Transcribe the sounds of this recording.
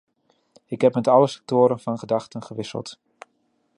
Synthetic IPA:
ɪkɦɛpmɛtɑləsɛ̥k̚tʊːɾənvɑnχədɑxtənχəʋɪsə̰lˠt

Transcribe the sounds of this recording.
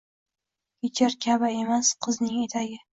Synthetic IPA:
kʲet͡ʃʰaɾkʲʰabae̞masqʰɨznɪŋe̞t̪ʰaɡʲɪ

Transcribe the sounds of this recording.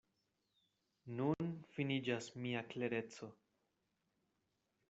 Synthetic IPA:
nunfinid͡ʒasmiakle̞ɾe̞t͡so̞

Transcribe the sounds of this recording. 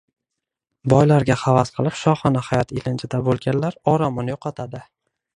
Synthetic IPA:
bɒjlaɾɡʲahavasqʰɨlˠɪpʃɒχɒnahajɒt̪ilɪnt͡ʃʰad̪abolˠɡʲanlaɾɒɾamɒnjoqʰɑt̪ʰad̪ɪ

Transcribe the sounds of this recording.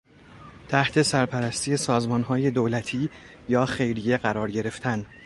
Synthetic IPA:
t̪ʰæht̪ʰe̞sæɾpʰæɾæst̪ʰiːje̞sɒːzmɒːnɦɒːje̞d̪oːlæt̪ʰiː | jɒːxe̞jɾije̞ɢæɾɒːɾɟe̞ɾe̞ft̪ʰæn

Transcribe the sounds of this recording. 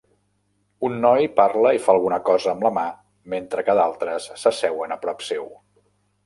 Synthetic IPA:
unːɔjparləifaəlˠɣunəkɔzəːmləma | ment̪ɾəkəðalˠt̪ɾəsːəsɛwənəpɾɔpsew

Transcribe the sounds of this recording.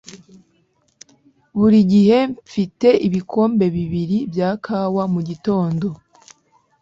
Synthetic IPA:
βuɾiɟihe̞ɱfite̞ʔiβikʰo̞ːmbe̞βiβiɾibjaːkʰaːwamuɟito̞ːndo̞

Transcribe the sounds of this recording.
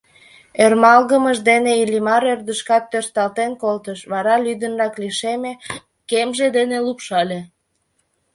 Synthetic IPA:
ermɑlɣəməʃd̪eneilʲimɑɾørd̪əʃkɑt̪ːørst̪ɑlt̪enkolt̪əʃβɑɾɑlyd̪ənrɑkliʃeme | kemʒed̪enelupʃɑlʲe

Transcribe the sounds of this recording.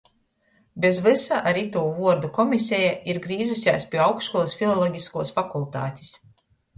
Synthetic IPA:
bʲezvɨsaʔaɾit̪uːvuɔɾd̪ukɔmʲisʲɛjaiɾɡɾiːzɨsʲja̰ːspʲiɛawksʃkulˠisfilˠɔlˠɔɡʲiskuɔsfakulˠt̪a̰ːt̪ʲi̥s

